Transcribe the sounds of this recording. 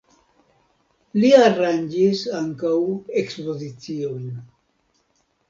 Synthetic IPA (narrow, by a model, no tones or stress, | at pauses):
liaɾand͡ʒisaŋkawe̞kspo̞zit͡sio̞jn